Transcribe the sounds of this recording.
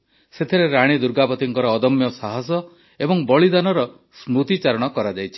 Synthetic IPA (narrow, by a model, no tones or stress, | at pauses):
set̪ʰiɾeɾaɽ̃id̪uɾɡapɔt̪iŋkɔɾɔːd̪ɔmjɔsaɦas̬ɔ | ebɔŋbɔɭid̪anɔɾɔ | smut̪it͡ʃaɾɔɽ̃ɔkɔɾad͡ʒajt͡ʃʰi̥